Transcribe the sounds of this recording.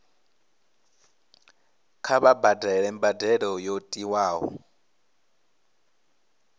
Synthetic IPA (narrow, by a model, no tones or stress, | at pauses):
kʰaβabadɛɺɛmbadɛɺɔjotʼiwaːɦɔ̰